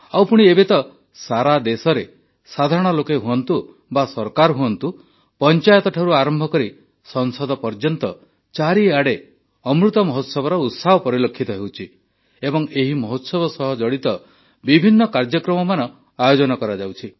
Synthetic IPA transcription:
awpuɽ̃iebet̪ɔ | saɾad̪esɔɾe | sad̪ʱaɾɔɽ̃ɔlokeɦuɔnt̪u | basɔɾkaɾɦuɔnt̪u | pɔnt͡ʃajɔt̪ɔʈʰaɾuaɾɔmbʱɔkɔɾi | sɔnsɔd̪ɔpɔɾd͡ʒɔnt̪ɔ | t͡ʃaɾiaɽe | ɔmɾut̪ɔmɔɦot̪sɔbɔɾɔut̪saɦɔpɔɾilokʰːit̪ɔɦewt͡ʃʰi | ebɔŋeɦimɔɦot̪sɔbɔsɔɦɔd͡ʒɔɽit̪ɔ | bibʱinːɔkaɾd͡ʒɔkɾɔmɔmanɔ | ajod͡ʒɔnɔkɔɾad͡ʒawt͡ʃʰi

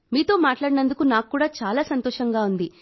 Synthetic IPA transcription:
miːt̪o̞ːmaːʈlaːɽinɐnd̪ukunaːkkːuːɽaːt͡ʃaːlaːsɐnt̪oːʂɐŋɡaːund̪i

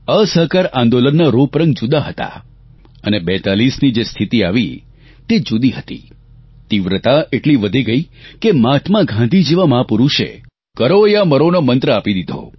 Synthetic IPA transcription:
əsəɦkaɾãnd̪olənːaɾupɾə̃ŋɡd͡ʒud̪aɦət̪a̰ | ənebɛt̪alisnid͡ʒest̪ʰit̪iaʋi | t̪ed͡ʒud̪iɦət̪ḭ | t̪iʋɾət̪aeʈliʋəd̪ʱiɡəikemat̪ʰmãɡʱãnd̪ʱid͡ʒeʋamapuɾuʃḛ | kəɾoeaməɾonomənt̪ɾəapid̪id̪ʱo̰

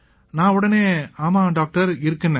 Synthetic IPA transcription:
nãːʊɽɐneːaːmaːɖaːk̚ʈɐɾɪɾɯkːɯnːɛ̃

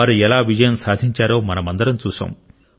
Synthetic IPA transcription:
aːɾuɛlaːʋid͡ʒɐjɐmsaːd̪ʱiɲt͡ʃaːɾo̞ːmɐnɐmɐnd̪ɐɾɐmt͡ʃuːsa̰ːm

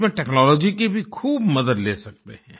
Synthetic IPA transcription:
mẽʈɛːknɔːlɔːd͡ʒikebʱikʰuːbmɐd̪əd̪leːsɐk̚t̪ḛɦɛ̃ː

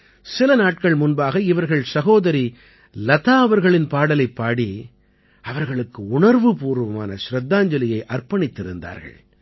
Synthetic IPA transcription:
sɪlɐnaːʈ̚kɐɭmʊnbaːɣɐɪʋɐɾɣɐɭsɐɣoːðɐɾi | lɐt̪aːɐʋɐɾɣɐɭɪnpaːɽɐlɐɪpːaːɽi | ɐʋɐɾɣɐɭɯkːɯʊɳɐɾʋɯpuːɾʋɐmaːnɐ̰ʃɾɐd̪ːaːɲd͡ʒɐlɪjɐɪʔɐrpɐɳɪt̪ːɪɾɯnd̪a̰ːɾɣɐ̰ɭ

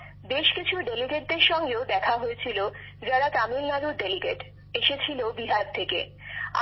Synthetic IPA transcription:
beʃkit͡ɕʰuɖeliɡeʈ̚d̪eɾʃɔŋɡeod̪ɛkʰaɦoet͡ɕʰilod͡ʑaɾat̪amilnaɾuɾɖeliɡḛʈ | eʃet͡ɕʰilobiɦaɡ̚t̪ʰekḛ | a̰

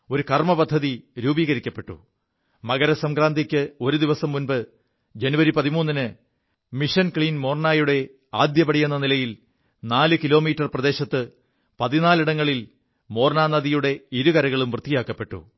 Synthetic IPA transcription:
o̞ɾukɐrmɐpɐd̪ʱːɐðiɾuːbiːɣɐɾikʲːɐpːe̞ʈːṵ | mɐɣɐɾɐsɐmkɾaːnd̪ʱikʲːɨo̞ɾud̪iʋɐsɐmːunbɨ | d͡ʑe̞nuʋɐɾipɐðimuːnːinɨ | miʂɐnkɭiːnmo̞ːrɳaːjuɽe̞ | aːd̪jɐpɐɽijunːɐnilɐjil | naːlɨkilo̞ːmiːtːɐrprɐd̪e̞ːɕɐt̪ːɨ | pɐðinaːliɽɐŋːɐɭil | mo̞ːrnaːnɐðijuɽe̞iɾukɐɾɐɣɐɭumʋrɨt̪ːijaːkːɐpːe̞ʈːṵ

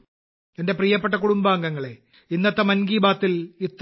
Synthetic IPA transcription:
ende̞prijɐpːe̞ʈːɐkuɽumbaːŋɡɐŋːɐɭe | inːɐt̪ːɐmɐnɡiːbaːt̪ːilit̪ː

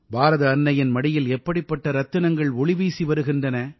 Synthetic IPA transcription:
bʱaːɾɐðɐːnːɐjɪnmɐɽɪjɪlɛpːɐɽɪpːɐʈːɐɾɐt̪ːɯnɐŋɡɐɭɔɭɪʋiːsiʋɐɾɯɣɪndrɐnɐ

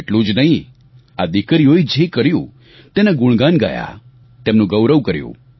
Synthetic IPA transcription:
eʈlũd͡ʒnəɦĩ | a̰d̪ikəɾijoid͡ʒekəɾjũ | t̪eneɡʊɭɡanɡa̰ja̰ | t̪emnũɡəwɾəʋkəɾjṵ̃

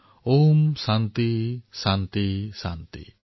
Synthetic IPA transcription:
omsant̪isant̪isant̪ḭ

